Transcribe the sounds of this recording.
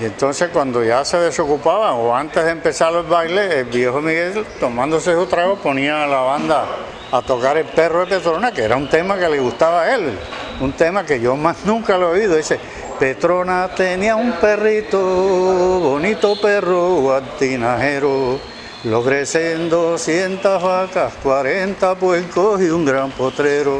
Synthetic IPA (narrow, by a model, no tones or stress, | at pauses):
ie̞nt̪o̞nse̞hkwand̪o̞ʝase̞ð̞e̞so̞kupaβaoãnt̪eɦðempe̞saɾlolβajle̞ːlβje̞homiɣe̞lt̪o̞mãnd̪o̞s̬esut̪ɾaɣopo̞nĩaːlaβãnd̪aː | t̪o̞kaɾe̞lpe̞roepe̞t̪ɾo̞nakeeɾaunt̪e̞make̞leɣust̪aβae̞lunt̪e̞make̞ʝo̞masnũŋkaloiðoese | pe̞t̪ɾo̞nat̪e̞nĩaumpe̞rit̪o | βo̞nit̪ope̞roɣwant̪inaɦe̞ɾo | lo̞ɣɾesend̪o̞sje̞nt̪aɦβakahkwaɾe̞nt̪apwelkosiuŋɡɾampo̞t̪ɾe̞ɾo